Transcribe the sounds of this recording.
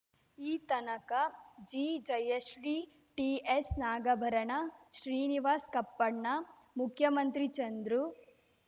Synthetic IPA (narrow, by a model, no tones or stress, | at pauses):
iːt̪ɐnɐkɐd͡ʒiːd͡ʒɐjeʃɾiː | ʈiesnaːɡɐbʱɐɾɐɳɐʃɾiːniʋaːskɐpːɐɳɳɐ | mukʰjɐmɐnt̪ɾit͡ʃɐnd̪ɾu